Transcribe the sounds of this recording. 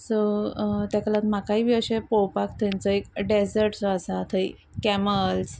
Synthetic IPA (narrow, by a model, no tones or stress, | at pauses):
sɔt̪jaklat̪makaiːʋəɕepowpakt̪ʰãnt͡sɔekɖesəɾʈt͡sɔasat̪ʰəi | kɛməls